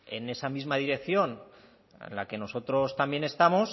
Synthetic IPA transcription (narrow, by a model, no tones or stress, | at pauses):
e̞ne̞samizmaðiɾe̞k̚θjo̞n | ḛnlake̞no̞so̞t̪ɾo̞st̪ambje̞ne̞st̪amos